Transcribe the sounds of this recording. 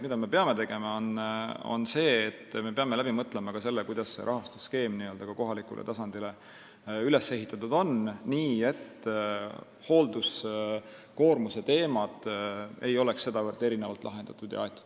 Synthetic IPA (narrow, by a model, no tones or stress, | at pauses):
mid̪̥ɑme̞pe̞ɑme̞t̪e̞ɡ̥e̞mɑono̰nse̞ːt̪ːme̞pe̞ɑmelæb̥imɤt̪ːˑlemɑɡ̥ɑse̞lːekujd̪̥ɑsːe̞̰ɾʔɑɦɑst̪u̥ske̞ːmniø̞ld̪ɑɡ̥ɑko̞ɦɑlikṵlḛt̪ɑsɑnd̪̥ile̞ | yle̞sːe̞ɦit̪ːˑɑt̪ːud̪̥o̞nniːe̞t̪ː | ho̞ːld̪us | ko̞ːrmuse̞t̪e̞ːmɑt̪e̞̰jo̞leksːe̞d̪ɑvɤrd̪̥e̞ɾinevɑ̰lt̪lɑ̰ɦe̞nd̪̥ɑt̪ːˑud̪̥jɑ̰ɑjt̪ːˑu̥d̪̥